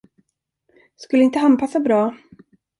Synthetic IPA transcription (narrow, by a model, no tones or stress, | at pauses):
skɵlːəɪnt̪əɦanpʰasːabɾɑː